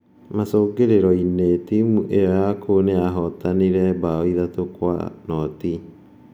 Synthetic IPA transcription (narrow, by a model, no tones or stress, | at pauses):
masoːɡeɾeɾɔinetimuʔejɔjakʰoneaɦɔtaniɾɛbaɔiðatokwa̰nɔti